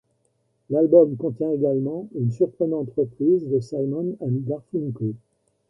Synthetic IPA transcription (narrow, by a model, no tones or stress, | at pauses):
lalbɔmkɔ̃t̪jɛ̃eɡalmɑ̃ynsyʁpχənɑ̃t̪ʁəpχizd̪əsalmɔnaniɡaʁfunko